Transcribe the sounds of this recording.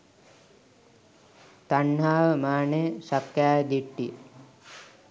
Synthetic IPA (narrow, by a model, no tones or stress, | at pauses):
t̪aɳːaːʋəmaːnejəsakjaːjəd̪iʈːijə